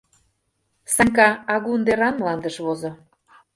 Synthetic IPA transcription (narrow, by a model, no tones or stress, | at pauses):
sɑŋkɑɑɣund̪eɾɑnmlɑnd̪əʃβozo